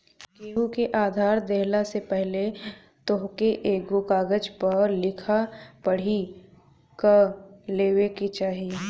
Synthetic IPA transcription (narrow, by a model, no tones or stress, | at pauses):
keːɦukeʔaːd̪ʱaːɾd̪eɦlasepɛɦle | t̪oɦkeʔeːkɡokaːɡəd͡ʒpɐɾlɪkʰapəɽ̤i | kəleːwekit͡ʃaːɦi